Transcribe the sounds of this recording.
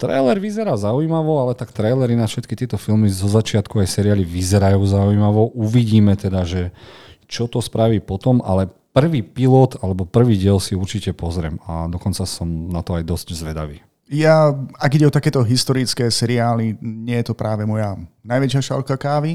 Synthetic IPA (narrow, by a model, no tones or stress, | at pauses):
t̪ɾɛ̰jlɛɾʋizɛɾaːzaujmaʋɔalɛt̪akt̪ɾɛjlɛɾinafʃɛt̪kit̪ɪɛt̪ɔfilmizɔzat͡ʃɪat̪kuajsɛɾiaːliʋizɛɾajuːzaujmaʋɔʔuʋiɟiːmɛt̪ɛd̪aʒɛt͡ʃɔt̪ɔspɾaʋiːpɔt̪ɔma̰lɛ | pr̩ʋiːpilɔt̪alɛbɔpr̩ʋiːɟɪɛlsiuɾt͡ʃicɛpɔzɾɪɛ̰mad̪ɔkɔnt͡sasɔmnat̪ɔajd̪ɔsczʋɛd̪a̰ʋiː | jaaɡiɟɛɔt̪akɛːt̪ɔɦist̪ɔɾit͡skɛːsɛɾiaːliɲɪɛjɛt̪ɔpɾaːʋɛmɔjanajʋɛt͡ʃɪaʃa̰lkakaːʋi